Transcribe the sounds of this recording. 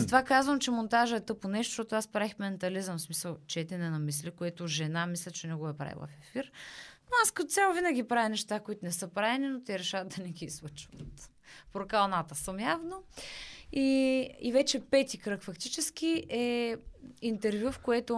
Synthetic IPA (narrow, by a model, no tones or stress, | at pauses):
zɐt̪vakazvəmt͡ʃɛmont̪aʒəɛt̪ɤponɛʃt̪o̥ʃt̪ot̪ʊaspɾaixmɛnt̪ɐlizəmsmisəlˠt͡ʃɛt̪ɛnɛnɐmislikoɛt̪ʊʒɛnamislʲɐt͡ʃɛnɛɡoɛpɾa̰ḭlˠɐ̰fɛfiɾnoaskɐt̪ot̪sʲjalˠovinəɡʲipɾavinɛʃt̪akʊit̪ʊnɛsɤpɾaɛninot̪ɛɾɛʃavt̪̚d̪ɐnɛɡ̟iislˠət͡ʃvɐt̪ | pɾokalˠnat̪əsəmjavno | iivɛt͡ʃɛpɛt̪ikɾɤkfɐkt̪it͡ʃɛsk̟ʲiʔɛ | int̪ɛɾvjufkoɛt̪ʊ